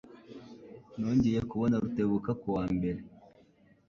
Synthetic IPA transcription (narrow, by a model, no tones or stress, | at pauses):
noːɲɟeje̞kuβo̞naɾute̞βukakuwaːmbe̞ɾe̞